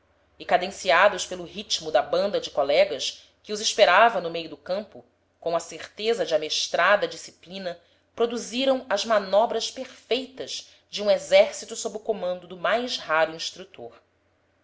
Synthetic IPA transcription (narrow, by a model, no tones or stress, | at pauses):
ɪkad̪ẽsiad̪ʊʃpelʊɦit͡ʃmʊd̪ɐbɐ̃nd̪ɐd͡ʒɪkolɛɡɐʃ | kɪʊziʃpeɾavɐnʊmejʊd̪ʊkɐ̃mpʊ | kõw̃ɐseɾt̪ezɐd͡ʒɪɐmeʃt̪ɾad̪ɐd͡ʒisi̥plĩnɐ | pɾod̪uziɾɐ̃w̃ɐzmanɔbɾɐʃpeɾfejt̪ɐz | d͡ʒɪũezɛɾsit̪usobɾɪʊkomɐ̃nd̪ʊd̪ʊmajzhaɾʊĩʃt̪ɾut̪oɾ